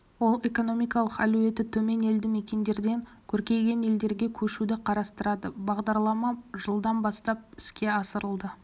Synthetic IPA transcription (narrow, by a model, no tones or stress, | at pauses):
wo̞lˠe̞ko̞no̞mijkɑlˠəqæluwe̞t̪ːɪt̪ʰɵme̞ne̞ld̪ɪmekʲe̞nd̪e̞ɾd̪e̞ŋ | kʲʰɵɾkʲe̞jɡʲe̞ne̞ld̪e̞ɾɡʲe̞kʲʰɵʃud̪ɪqʰɑɾɑst̪əɾɑd̪əbɑʁd̪ɑɾlˠɑmɑʒəlˠd̪ɑnbɑst̪ɑp̚ɪ̥skʲe̞ɑsəɾəlˠd̪ə